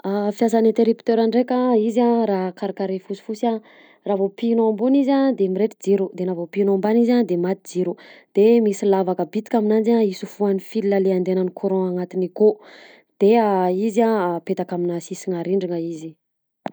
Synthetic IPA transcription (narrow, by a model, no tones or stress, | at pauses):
afjazanent̪eɾipt̪øɾaɳɖ͡ʐekʲaizãɾaɦkaɾakaɾefusu̥fusiã | ravopinoambunizad̪emiɾeʈ͡ʂid͡ziɾud̪enavopinoambanizad̪emat̪id͡ziɾud̪̥emisilavakəbit̪i̥kʲaminand͡ʒaisufuanifililaleand̪enanikʰuɾõaŋat̪iniko | d̪̥eaizãpet̪akaminasisiŋaɾiɳɖ͡ʐiŋəizi